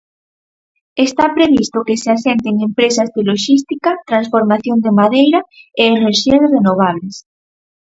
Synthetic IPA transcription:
est̪apɾeβist̪okeseasent̪eŋempɾesazðeloʃist̪ikat̪ɾansfoɾmaθjond̪emaðejɾaeeneɾʃiezrenoβ̞aβ̞les

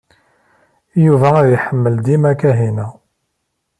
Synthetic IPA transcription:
juvææðjħəmːəld̪imækæɦinæ

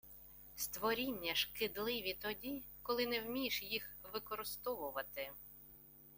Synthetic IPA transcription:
st̪ʋɔɾʲinʲːɐʃkɪd̪lˠɪʋʲit̪ɔdʲikɔlˠɪnɛwmʲijʃjixʋɪkɔɾɪst̪ɔʋʊʋɐt̪ɪ

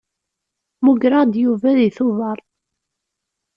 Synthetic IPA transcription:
muɡɾɑd̪juvæðiθʊvɑɾˤ

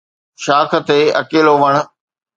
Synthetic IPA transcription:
ʃaːkʰə̆t̪eɐ̰keːloʋɐɽ̃̆

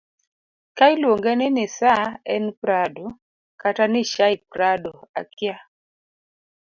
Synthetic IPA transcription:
kajlwoŋɡɛnɪnɪsaɛnpɾado | katanɪʃaɪp̚ɾadoa̰kja

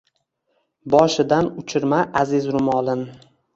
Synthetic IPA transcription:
bɒʃɪd̪anʊt͡ʃʰɪɾmaʔazɪzɾʊmɒlˠɪn

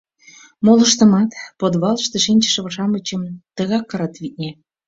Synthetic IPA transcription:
molə̆ʃt̪ə̆mɑt̪pod̪βɑləʃt̪ĕʃinʲt͡ɕĕ̥ʃə̆βə̆ʃɑmət͡ɕə̆mt̪əɣɑkːɤɾɑt̪βit̪̚nʲe

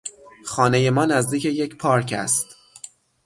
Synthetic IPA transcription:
xɒːne̞je̞mɒːnæzd̪iːcʰe̞je̞cpʰɒːɾcʰæ̰st̪

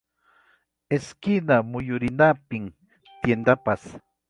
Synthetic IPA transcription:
eskɪnamʊjʊɾɪnapɪm | t̪jend̪apas

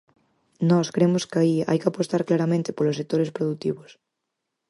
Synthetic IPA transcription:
nɔskɾemoskaia̰jkɪapost̪aɾklaɾamẽnt̪ɪ̥polos̬ːek̚t̪oɾespɾoðut̪ḭβos

